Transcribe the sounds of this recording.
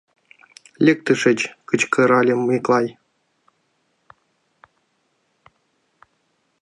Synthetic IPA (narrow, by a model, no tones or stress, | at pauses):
lʲek̚t̪ɨʂɘ̆t͡ɕkɯt͡ɕkɤ̆ɾɑlʲĕmklˠɑj